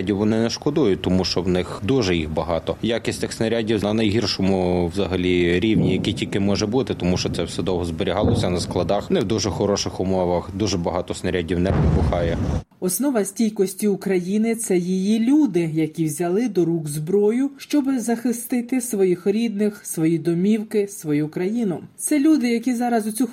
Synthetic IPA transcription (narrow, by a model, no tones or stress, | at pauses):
dʲiwʋɔnɪnɛʃkɔd̪ujʊt̪ɔmuʃt͡ʃɔwnɪxd̪uʒɛjixbɐɦɑt̪ɔjakʲisʲtʲɪxsnɐɾʲadʲiw̪ɐnɐjɦirʃɔmʊwzɐɦɐlʲiɾʲiwnʲijɐkʲitʲilʲkɪmɔʒɛbut̪ɪt̪ɔmuʃt͡ʃɔt̪sɛwsɛd̪ɔwɦɔzboɾʲiɦɑlˠɔsʲɐnɐsklˠɐd̪ɑxnɪwd̪uʒɛxɔɾɔʃɪxʊmɔʋɐxd̪uʒɛbɐɦɑt̪ɔsnɐɾʲadʲiwnɛppʊxɑjɛ | ɔsnɔʋɐsʲtʲijkɔsʲtʲiʊkɾɐjinɪt̪sɛjijilʲud̪ɪjɐkʲiwzʲɐlˠɪd̪ɔɾuɡzbɾɔjʊʃt͡ʃɔbɪzɐxɪst̪ɪt̪ɪsʋɔjixɾʲid̪̚nɪxsʋɔjid̪ɔmʲiwkɪsʋɔjukɾɐjinʊt̪sɛlʲud̪ɪjɐkʲizɑɾɐzʊt͡sʲux